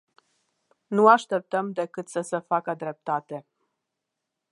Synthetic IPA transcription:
nuaʃt̪e̞p̚t̪əmd̪e̞kɨt̪səsəfakəd̪ɾe̞p̚t̪at̪e̞

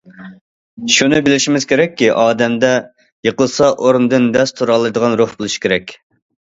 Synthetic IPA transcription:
ʃunɨbɪlɪʃimɪz̥kʲʰeɾɛkʲːiʔɑːd̪ɛmd̪ɛ | jəqəlˠsɑʔoɾnd̪ɨnd̪ɛst̪ʰuɾɑlˠːɨd̪əʁɑnɾoχbolˠuʃi̥kʲʰeɾɛkʲ

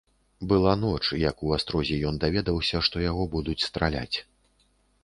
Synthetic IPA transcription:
bɨlˠanɔt͡ʂjɐkuast̪ɾɔzʲɛjɔnd̪avʲɛd̪ɐwsʲɐʂt̪ɔjaɣɔbud̪ut͡sʲst̪ɾalʲa̰t͡sʲ

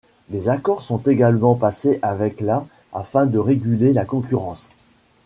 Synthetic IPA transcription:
d̪ezakɔʁsɔ̃t̪eɡalmɑ̃paseʔavɛkla | a̰fɛ̃d̪əʁeɡʲylelakɔ̃kʲyʁɑ̃s

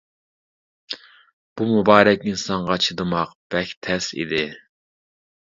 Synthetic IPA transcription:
b̥umubɑːɾɛkʲinsɑɴʁɑt͡ʃʰɨd̪ɨmɑqb̥ɛkʲt̪ʰɛsḭd̪ɪ

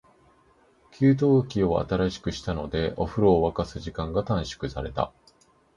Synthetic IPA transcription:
kʲʰɨːt̪̬o̞ːkʲio̞a̰t̪aɾaɕi̥kɯ̟ɕi̥t̪ano̞d̪e̞ʔoɸɯ̟ɾo̞ːβakasɨʑikãŋɡat̪ãɰ̃ɕi̥kɯ̟saɾe̞t̪a̰

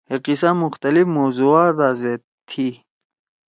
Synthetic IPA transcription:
heqisãmʊxt̪ɐlifmozuaːd̪aze | t̪ʰi

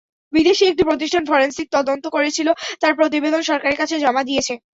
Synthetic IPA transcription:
bid̪eʃiek̚ʈipɾot̪̬iʃʈʰanfɔɾensik̚t̪ɔd̪ont̪okoɾet͡ɕʰilot̪aɾpɾot̪̬ibed̪onʃɔɾkaɾeɾkat͡ɕʰed͡ʑɔmad̪iet͡ɕʰe

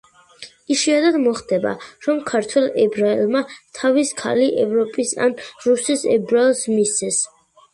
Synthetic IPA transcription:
iʃiad̪ad̪mɔχd̪ɛba̰ɾɔmkʰaɾt̪ʰwɛlˠɛbɾaɛlˠmat̪ʰaviskʰa̰liʔɛvɾɔpʼisa̰nɾusisɛ̰bɾaɛlˠsmist̪sɛs

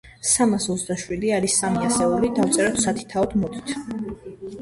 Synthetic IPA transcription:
samasɔt̪zd̪aʃwid̪iaɾisːamiasɛulid̪aft̪sʼɛɾɔt̪sat̪ʰi̥t̪ʰaɔd̪mɔd̪ʼit̪ʰ

